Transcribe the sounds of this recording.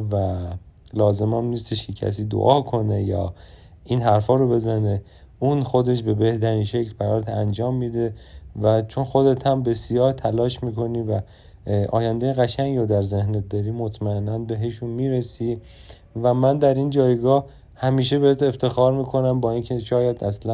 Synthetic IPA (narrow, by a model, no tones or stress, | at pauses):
væ | lɒːze̞mæmniːst̪eʃkcʰecʰæ̰s̬iːd̪o̰ʔɒːkʰo̞ne̞jɒ̰ː | inɦæɾfɒːɾobe̞zæne | unxod̪e̞ʃ̬be̞be̞ht̪ʰæɾiːnʃeclpæɾɒːɾt̪ʰænd͡ʒɒːmːiːd̪e̞væt͡ʃʰo̞nxo̞d̪e̞t̪ʰæmbe̞sijɒːht̪ʰælɒːʃmiːkʰo̞niːvæ | ʔɒ̰ːjænd̪ejeɣæʃæŋɡɾod̪æɾze̞hnet̪̚d̪ɒːɾiːmot̪ʰmæenːænbe̞ɦe̞ʃunmiːɾesiː | væmænd̪æɾind͡ʒɒːjɡɒːh | hæmiːʃe̞behet̪eft̪ʰe̞xɒːɾmiːkʰo̞næmbɒːincʰe̞ʃɒːjæd̪æslæ